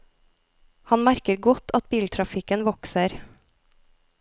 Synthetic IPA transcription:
hɑnmæɾkəɾɡɔt̪ʰɑt̪̚biːlt̪ʰɾɑfɪkənʋɔksəɾ

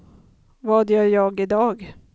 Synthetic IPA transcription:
vɑːd̪jœɾjɑːɡɪd̪ɑːɡ

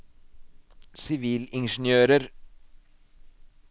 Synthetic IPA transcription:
sɪʋiːlɪnʃn̩jøːɾəɾ

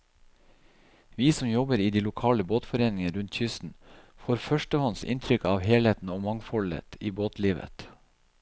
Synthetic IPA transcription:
ʋiːsɔmjɔbəɾiːd̪iːlʊkʰɑːləboːt̪fɔɾeːnɪŋəɾʉnt̪çʏst̪n̩ | foːɾfœʃʈəhɔnsɪ̰nt̪ʰɾʏkɑːʋheːlheːt̪n̩ɔmɑŋfɔlə̰t̪iːboːt̪liːʋə̰t̪

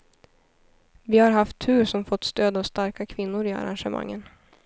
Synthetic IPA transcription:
vɪhaɾɦaft̪ʰːʉ̟ːɾʂɔmfɔt̪ːst̪øːd̪avst̪aɾkakʰvɪnːʊɾɪa̰ɾa̰nʂəma̰ŋːən

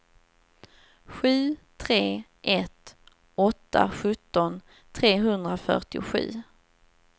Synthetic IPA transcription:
ɧʉ̟ːt̪ʰɾeːʔɛt̪ | ɔt̪ːa̰ɧɵt̪ːɔn | t̪ʰɾeːɦɵnd̪ɾafœ̰ʈɪʊɧʉ̟̰ː

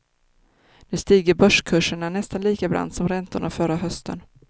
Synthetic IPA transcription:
nʉ̟ːst̪iːɡəɾbœʂkʰɵʂəɳanɛst̪anliːkabɾʔa̰nd̪sɔmɾɛnt̪ʊɳafœɾaɦœst̪ʰə̰n

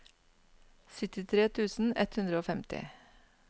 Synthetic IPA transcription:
sʏt̪ɪt̪ʰɾeːt̪ʰʉːsn̩ɛt̪hʉnd̪ɾəoːfɛmt̪ʰɪ̰

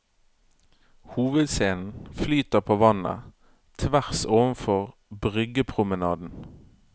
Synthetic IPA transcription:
huːʋəd̪seːnn̩flyːt̪əʁpʰoːʋɑnə̰ | t̪ʰʋæʁsoːʋənfɔʁbʁʏɡəpʰʁʊmənɑːd̪n̩

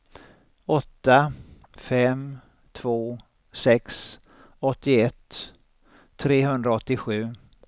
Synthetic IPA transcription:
ɔt̪ːa | fɛm | t̪ʰvoː | sɛks | ɔt̪ːɪɛt̪ː | ɾeːɦɵnd̪ɾaɔt̪ːɪɧʉ̟ː

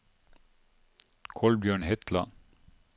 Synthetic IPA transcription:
kʰɔlbjœːɳɦɪt̪la̰

